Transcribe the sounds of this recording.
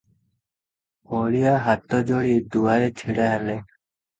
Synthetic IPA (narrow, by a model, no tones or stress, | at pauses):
ɔɭiaɦat̪ɔd͡ʒoɽid̪uaɾet͡ʃʰiɽaɦale